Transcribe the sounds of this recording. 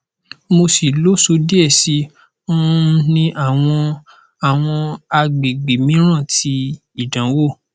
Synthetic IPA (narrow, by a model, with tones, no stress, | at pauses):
mo˧si˨lo˨˦so˧˦di˦ɛ˦˨sĩ˧˦ | nĩ˧˦ʔa˦˨w̃ɔ̃˧ | a˨w̃ɔ̃˧a˧ɡ͡bi˨ɡ͡bi˨mĩ˨˦ɾ̃ã˦˨ti˧ | i˦˨dã˨˦wo˦˨